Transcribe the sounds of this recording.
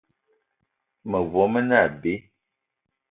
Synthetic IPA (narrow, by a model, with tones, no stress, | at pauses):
mə˨vɔ˨˦mə˦na˦˨be˨˦